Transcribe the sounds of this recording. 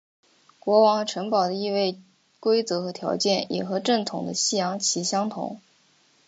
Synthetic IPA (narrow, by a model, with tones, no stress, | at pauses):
kwɔ˧˥wɑ˧˥ŋxʈ͡ʂʰɤ˧˥ŋpɑ˨˩ʊd̪ə˦i˥˧we˥˩ɪ | kwe˥ɪt͡sɤ˧˥xɤ˧˥t̪ʰjɑ̰˧˥ʊt͡ɕjɛ˥˩njɛ̰˨˩xɤ˧˥ʈ͡ʂɤ˥˩nt̪ʰʊ˨˩ŋd̪ə˦ɕi˥˩jɑ˧˥ŋt͡ɕʰi˧˥ɕjɑ˥ŋt̪ʰʊ̰˧˥ŋ